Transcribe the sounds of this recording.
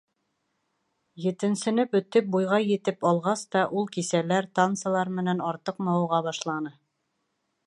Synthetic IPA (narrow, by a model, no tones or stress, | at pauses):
jɘ̆t̪ɘ̆nsɘ̆nɘpɵ̆t̪ːɘp̚bujʁɑjɘ̆t̪ɘpɑlˠʁɑst̪ɑʔulˠkisælæɾt̪ant̪sɤlˠɑɾmɘ̆nænɑɾt̪ɤqmɑwuʁɑβɑʃlˠɑnɤ